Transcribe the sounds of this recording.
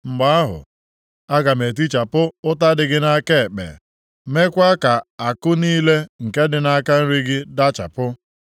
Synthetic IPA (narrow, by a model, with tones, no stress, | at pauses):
ŋ͡m̩˨ɡ͡ba˦a˦ɦʊ̰˨ | a˦ɡa˨me˨t̬i˦t͡ʃa˨pʊ˦ʊ˦ta˦dɪ˨ɡɪ˦na˦ke˦˨k͡pḛ˨ | me˦kʷa˦ka˨a˨kʊ˦niː˦le˦ŋ̩˨ke˦dɪ˨na˦ka˦n̩˦ɾi˦ɡɪ˦da˦t͡ʃa̰˨pʊ˦